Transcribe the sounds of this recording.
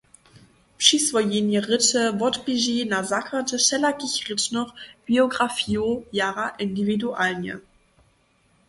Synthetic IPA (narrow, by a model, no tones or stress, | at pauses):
pʃisv̥ɔjenjəʁɪtəvɔtb̥iʒinazakʰatəʃɛlakɪçʁɪtnɔχb̥ioɡʁafiojaːʁaʔɪndividuʔalnjə̰